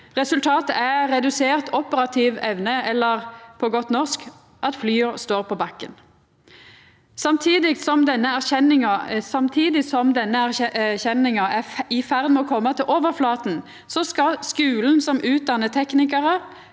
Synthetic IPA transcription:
ʁɛsʉlt̪ʰɑːt̪əæɾɛd̪ʉseːʁt̪ɔpəɾɑt̪ʰiːʋɛʋnəɛlːəʁpʰɔɡɔt̪nɔʁsk | ʔɑt̪flyːɔst̪oːʁpʰɔbɑkːən | sɑmt̪ʰiːd̪ɪsɔmd̪ɛnːəæʁçɛnɪŋɑsɑmt̪ʰiːd̪ɪsɔmd̪ɛnːəæʁçɛnɪŋɑʔæɪfæʁd̪mɛɔkʰɔmːət̪ʰɪlʔoːʋəʁflɑːt̪n̩ | sɔskɑskʉːln̩sɔmʔʉːt̪̚d̪ɑnət̪ʰɛknɪkəʁə

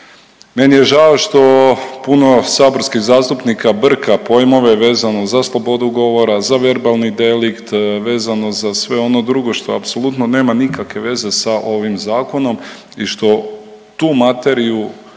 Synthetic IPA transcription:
me̞nije̞ʒaoʃt̪o̞puno̞saːbo̞ɾskiɣzaːst̪upnikabr̩kapo̞jmo̞ʋe̞ʋe̞ːzano̞zaslˠo̞bo̞d̪uɡo̞ʋo̞ɾazaʋe̞ɾbalˠnid̪e̞likt̪ʋe̞ːzano̞zasʋe̞o̞no̞d̪ɾuɡo̞ʃt̪o̞apso̞lut̪none̞ːmanikakʋe̞ʋe̞ze̞saʔo̞ʋimzaːko̞no̞m | iʃt̪o̞ | t̪uːmat̪e̞ɾiu

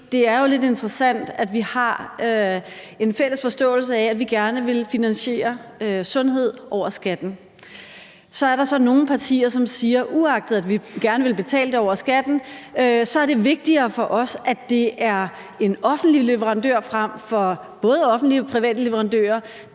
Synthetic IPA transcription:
d̥e̝æɐjo̝le̝d̥e̝nd̥ʁɐsæn̰d̥æd̥ʋihɑ̈ø | e̝nfel̰əsfɒ̽sd̥ɔ̰̽ːl̩səæædʋiɡ̥æɐnəʋe̝lfinænɕe̝̰ːɐøsɔ̽nɦe̝ð̰ˠʔɒʊ̰ɐsɡ̥æd̥n̩ | sɒ̽æɐɾɑ̈sɒ̽no̝ːn̩pʰɑ̈t͡sʰḭːɐsɒ̽msiːɐʔuɑ̈ɡ̥̚d̥ð̩ˠædʋiɡ̥æɐnəʋe̝lb̥e̝t͡sʰɛ̰ːləd̥e̝ɒʊ̰ɐsɡ̥æd̥n̩øsɒ̽æɐd̥e̝ʋe̝ɡ̥̚d̥iɐːfɒ̽ʔɒ̽sʔæ̥e̝æɐ | e̝nɒ̽fn̩d̥lile̝ʋəʁɑ̈nd̥øɐ̰fʁɑm̰fɒ̽ | b̥ɔ̽ːð̞ˠəɒ̽fn̩d̥lipʰʁiʋɛ̰ːd̥əle̝ʋəʁɑ̈nd̥ø̰ːɐ

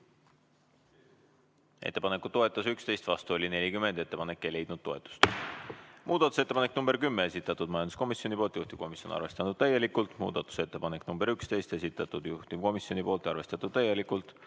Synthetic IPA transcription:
e̞̰t̪ːe̞pɑnekːˑuo̞e̞t̪ˑːɑsykst̪e̞jst̪vɑst̪uo̞lʲine̞lʲikymːend̪e̞t̪ːepɑne̞kːele̞jd̪nud̪̥̚t̪ːo̞e̞t̪ːˑu̥st̪ | muːd̪̥ɑt̪ːu̥se̞t̪ːeɑneknumb̥e̞ɾkymːee̞sit̪ːˑɑt̪ːˑud̪̥mɑjɑnd̪usko̞misjo̞nipo̞lt̪juht̪ib̥ko̞misjo̞nɑ̰rve̞st̪ɑnud̪̥̚t̪æje̞likˑult̪ˑmṵːd̪̥ɑt̪ːˑu̥se̞t̪ːe̞pɑneknumb̥e̞ɾykst̪e̞jst̪e̞sit̪ːˑɑt̪ːˑud̪̥juht̪i̥ko̞misjo̞nʲipo̞ːlt̪ɑrve̞st̪ɑt̪ːˑud̪̥̚t̪æje̞likult̪ˑ

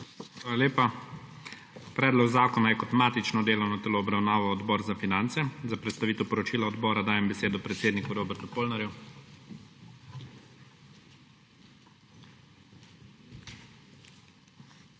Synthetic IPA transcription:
xʋaːlaleːpa | pɾɛːd̪lɔɡzaːkɔnajɛkɔt̪maːt̪it͡ʃnɔd̪eːlɔwnɔt̪ɛloːbɾawnaːʋɔːd̪bɔːɾzafinant̪sɛzapɾɛt̪st̪aʋiːt̪ɛwpɔɾɔt͡ʃiːlaɔd̪bɔːɾad̪aːjɛmbɛseːd̪ɔpɾɛt̪seːd̪nikuɾoːbɛɾt̪upoːlnaɾju

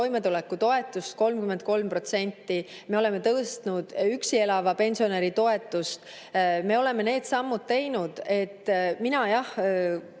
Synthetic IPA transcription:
o̞jme̞t̪ulɛkːut̪o̞e̞t̪ːˑust̪̚ko̞lmkyme̞nt̪̚ko̞lmpro̞t̪se̞nʲt̪ːi | me̞o̞le̞me̞t̪ɤst̪nud̪̥yksie̞lɑvɑpe̞nʲsio̞ne̞ɾit̪o̞e̞t̪ːˑust̪ | me̞o̞le̞me̞ne̞ːd̪̥sɑmːud̪̥̚t̪e̞jnud̪̥e̞t̪ːminɑjɑh

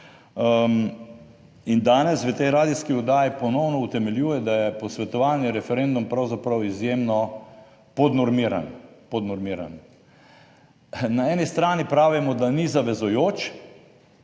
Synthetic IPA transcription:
ind̪aːnɛsʋət̪ɛjɾaːd̪iskiɔd̪aːjipɔnɔwnɔut̪ɛmɛljuːjɛd̪ajɛpɔsʋɛt̪ɔʋaːnjɛɾɛfɛɾend̪umpɾawzapɾawizjeːmnɔ | pɔd̪nɔɾmiːɾa̰npɔd̪nɔɾmiːɾa̰n | naɛːnist̪ɾaːnipɾaːʋimɔd̪anizaʋɛzujoːt͡ʃ

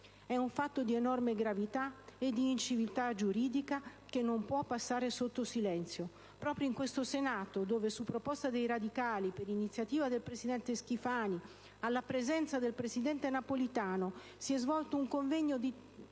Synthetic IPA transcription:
ɛuɱfat̪ːod̪ienɔrmeɡɾavit̪aed̪iːnt͡ʃivilt̪ad͡ʒuɾiːd̪ikak̟enːompwɔpːasːaːɾesot̪ːosilɛnt̪sjo | pɾɔːpɾjoiŋkwest̪osenaːt̪od̪oːvesupːɾopɔst̪ad̪ejɾad̪ikaːlipeɾinit̪sjat̪iːvad̪elpɾesid̪ɛnt̪esk̟ifaːni | alːapɾezɛnt̪sad̪elpɾesid̪ɛnt̪enapolit̪aːno | siɛzvɔlt̪ouŋkoɱvɛɲːod̪i

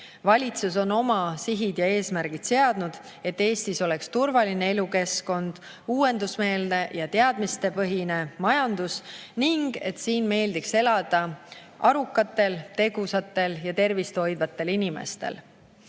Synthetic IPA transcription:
vɑlʲit̪suso̞no̞mɑsiɦid̪̥jɑe̞ːsmæɾɡ̥id̪̥se̞ɑd̪̥nud̪̥ | e̞t̪ːe̞ːst̪iso̞le̞kst̪urvɑline̞e̞luke̞sko̞nd̪̥ | uːe̞nd̪usme̞ːld̪e̞jɑt̪e̞ɑd̪̥mist̪e̞pɤɦine̞mɑjɑnd̪̥usniŋɡ̥e̞̰t̪siːnme̞ːld̪ikse̞lɑd̪̥ɑ | ʔɑɾukːˑɑt̪ːˑe̞lt̪e̞ɡ̥usɑt̪ːˑe̞ljɑt̪e̞rvist̪o̞jd̪̥vɑt̪ːˑe̞linime̞̰st̪e̞̰l

